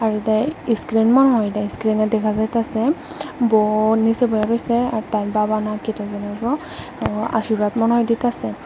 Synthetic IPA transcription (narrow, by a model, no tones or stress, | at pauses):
aɹudajiskɹenmɔnɦɔjdaiskɹinadɛkʰazajtasɛ | bɔnisɛbɔjapajsɛatanbabanaketazɛnɛbɹɔ | a̰ʃiɹatmɔnɦɔjditasɛ